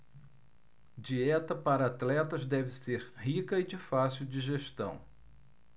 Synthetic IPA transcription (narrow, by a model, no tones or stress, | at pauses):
d͡ʒiɛt̪ɐpaɾɐat̪lɛt̪ɐzd̪ɛvɪseɾhikɐɪd͡ʒɪfasiwd͡ʒiʒeʃt̪ɐ̰̃w̃